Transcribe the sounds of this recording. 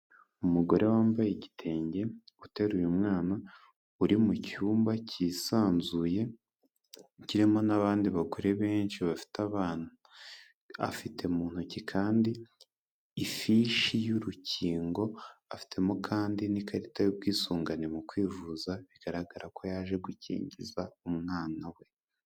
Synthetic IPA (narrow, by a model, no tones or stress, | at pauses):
umuɡo̞ɾʔe̞waːmbajeɟitʰe̞ːɲɟe̞ute̞ɾujumŋaːna | uɾimucuːmbacʰisaːnzuje̞ | ciɾimo̞naβaːndiβakuɾe̞βe̞ːnʃiβafi̥taβaːn̥u | a̰fitʰe̞muːn̥hucikʰaːndiː | fiʃijuɾuciːŋɡo̞afi̥tʰe̞mokʰaːndinikaɾitajubɡiːsuːŋɡanimukwiːvuzaβiɡ̥aɾaɡaɾako̞jaːʒe̞ɡucḭːɲɟizaumŋaːnawe̞